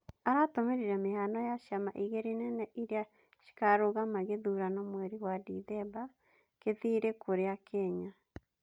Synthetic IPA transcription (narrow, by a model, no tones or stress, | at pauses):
aɾatomeɾiɾɛmehanɔjaʃamaʔiɣeɾenɛnɛʔiɾja | ʃi̥kaɾoɣamaɣeðuɾanomwɛɾiwadiðɛba | keðiɾekoɾeakʰɛɲa